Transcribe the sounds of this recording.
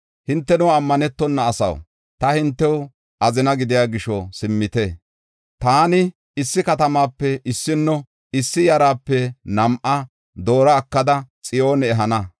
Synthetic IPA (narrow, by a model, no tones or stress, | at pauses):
hɪnt̪ːɛnʊɐmːɐnɛt̪ːɔnːɐːsɐ̰w | t̪ɐhɪnt̪ːɛw | ʔɐzɪnɐɡɪd̪ɪjaːɡɪʃɔsɪmːɪt̪ɛ | t̪aːnɪ | ɪsːɪkɐt̪ɐmaːpːɛʔɪsːɪnːɔ | ɪsːɪjɐɾaːpːɛnɐmʔɐ | d̪o̞ːɾɐːkːɐd̪ɐt͡sʼɪʔo̞ːnɛːɦɐnɐ